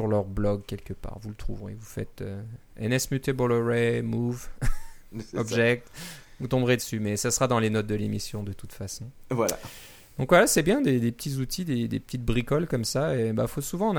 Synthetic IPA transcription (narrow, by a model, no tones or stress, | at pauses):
yʁlœʁblɔɡkʲɛlkʲəpa̰ːʁvulət̪χṵvʁḛvufɛ̰t̪øɛ̰nɛsmyt̪ebɔlɔʁɛmuv | ɔbʒɛk̚t̪ | vut̪ɔ̃bʁed̪əsymɛsasəχad̪ɑ̃lenɔt̪̚d̪əlemisjɔ̃d̪ət̪ut̪fasɔ̃vwala̰ | d̪̥ɔ̃kvwalasɛbjɛ̃d̪ed̪epə̥t̪ʰizut̪ʰid̪ed̪epə̥t̪it̪̚bʁikɔlkɔmsaeba̰fosuvɑ̃n